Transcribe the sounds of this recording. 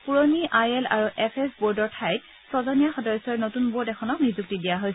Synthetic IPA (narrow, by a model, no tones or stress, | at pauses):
puɹɔniʔajɛla̰ɹuʔɛpʰɛsbɔɹdɔɹtʰajt̚ | pɹɔzɔnijaxɔdɔjsɔɹnotunbɔɹdɛxʰɔnɔknizuk̚tidijaɦojsɛ